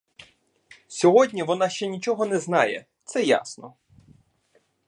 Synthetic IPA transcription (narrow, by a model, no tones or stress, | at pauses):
sʲɔɦɔdʲnʲiʋɔnɑʃt͡ʃɛnʲit͡ʃɔɦɔnɛznɑjɛ̰ | t̪sɛja̰snɔ